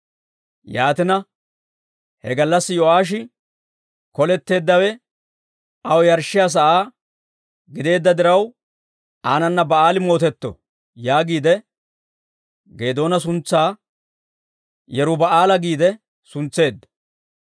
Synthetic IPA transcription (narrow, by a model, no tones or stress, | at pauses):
jaːt̪ɪnɐ | hɛ̰ɡɐlːɐsːɪjɔʔaːʃ̬ɪ | kɔlɛt̪ːe̞ːd̪ːɐwɛ | ɐwɛjɐɾʃːɪjaːs̬ɐʔaː | ɡɪd̪e̞ːd̪ːɐd̪ɪɾɐw | aːnɐnːɐbɐaːlɪmo̞ːt̪ɛt̪ːɔ̰ | jaːɡiːd̪ɛ | ɡe̞ːd̪o̞ːnɐs̬ʊnt͡sːaː | jɛɾʊbɐaːlɐɡiːd̪ɛ | sʊnt͡sːe̞ːd̪ːɐ̥